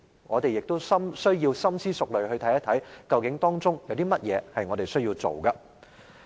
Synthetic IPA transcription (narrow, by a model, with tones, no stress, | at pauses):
ŋɔ̰ː˨˧t̪e˨jɪ˨k̚t̪o˥wsɐ˥msɵ˥ɥjiː˧wsɐ˥msiː˥sʊ˨k̚lɵ˨ɥhɵ˧t̪ʰɐ˨˥jɐ˥t̪ʰɐ˨˥jkɐ˧wkɪ˨˥ŋt̪ɔː˥ŋt͡sʊ˥ŋjɐ˨˧wt̪iː˥mɐ˥t̚jɛː˨˧hɐ˨jŋɔː˨˧t̪e˨jsɵ˥ɥjiː˧wt͡so̰˨wkɐ˧